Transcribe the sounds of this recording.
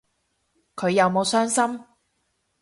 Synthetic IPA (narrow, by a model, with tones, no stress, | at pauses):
kʰɵ˨˧ɥjɐ˨˧wmo˨˧wsœː˥ŋsɐ˥m